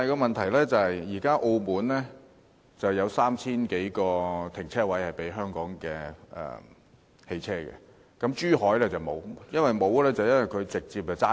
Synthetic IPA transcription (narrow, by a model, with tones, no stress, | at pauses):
jkɔː˧mɐ˨nt̪ʰɐ˨˩jlɛː˥t͡sɐ˨˩hɐ˨jːiː˨˩kaː˥ʔo˧wmuː˨˥nlɛː˥ | t͡sɐ˨wjɐ˨˧wsaː˥mt͡sʰiː˥nke˨˥jkɔː˧t̪ʰɪ˨˩ŋt͡sʰɛː˥wɐ˨˥jhɐ˨jpe˨˥jɦœː˥ŋkɔː˨˥ŋkɛː˧ʔɛ̰ː˨ | he˧jt͡sʰɛː˥kɛ̰˨ | kɐ˨˥mt͡ʃyː˥hɔː˨˥jlɛ˥t͡sɐ˨wmo̰˨˧wjɐ˥nwɐ˨jmo˨˧wlɛː˥t͡sɐ˨wjɐ˥nwɐ˨˩jkʰɵ˨˧ɥt͡sɪ˨k̚t͡siː˧p̚ɛ˧t͡saː˥